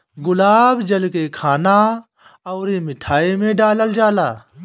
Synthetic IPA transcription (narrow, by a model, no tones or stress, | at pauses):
ɡʊlaːbd͡ʒɐlkekʰaːna | ɐːɾimɪʈʰaːimẽːɖaːləld͡ʒaːlaː